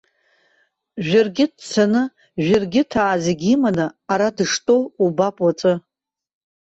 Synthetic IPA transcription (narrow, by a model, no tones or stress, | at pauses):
ʒᶣarɡʲɪdt͡sʰanɨ | ʒʷᶣarɡʲɪtʰaːzeɡʲimanaaɾadɨʂtʼowubapʼwat͡sʼɨ